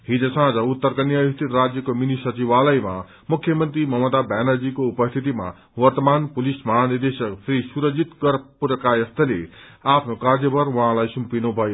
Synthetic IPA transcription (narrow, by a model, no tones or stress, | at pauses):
ɦid͡zʌsãːd͡zaut̪ːʌɾkanjajist̪ʰit̪rad͡zjʌkominisʌt͡siʋalʌjma̰ | mukʰːjʌmʌnt̪ɾimʌmʌd̪abanad͡zikoupʌst̪ʰit̪ima̰ | wʌɾt̪əmanpulismaɦanird̪esʌksʰɾisuɾʌd͡zit̪ɡʌɾpuɾʌkajʌst̪ʰʌleapʰnokaɾd͡zjʌbʱʌɾwʌɦãlajsumpinubʱʌjo